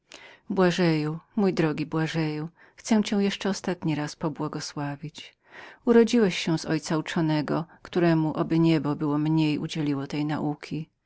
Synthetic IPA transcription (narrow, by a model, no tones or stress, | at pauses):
bwaʐɛjumujd̪ɾɔɡʲibwaʐɛju | xt̪sɛw̃t͡ɕɛ̃w̃jɛʂt͡ʂɛɔst̪at̪ɲiɾaspɔbwɔɡɔswavʲit͡ɕ | uɾɔd͡ʑiwɛɕɕɛ̃w̃zɔjt̪saut͡ʂɔnɛɡɔkt̪uɾɛmuʔɔbɘɲɛbɔbɘwɔmɲejʔṵd͡ʑɛlʲiwɔt̪ɛjna̰ʔukʲʰi